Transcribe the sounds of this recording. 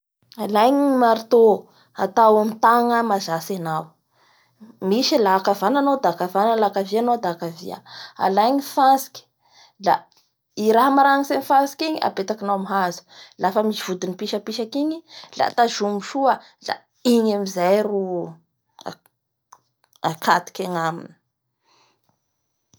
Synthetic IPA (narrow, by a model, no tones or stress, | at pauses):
alajɲimaɾit̪o | a̰t̪awamit̪aŋəmazasenaw | miʃilakavananod̪akavanəlakavianod̪akavḭa̰a̰lajɲifasi̥ki̥ | la̰ | iɾaɦamaɾaŋisenifasi̥kiɲiʔa̰bet̪akinawamiɦazu̥lafəmiʃiv̥ud̪unipiʃəpiʃakiɲila̰t̪aʒumuʃuə | la̰ | iɲamizajɾṵ | akʰat̪i̥kʲaŋaminə̥